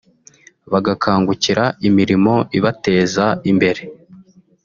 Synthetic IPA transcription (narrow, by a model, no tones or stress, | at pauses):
βaɡakʰaːŋɡuciɾaimiɾimo̞iβate̞ːzaimbe̞ɾe̞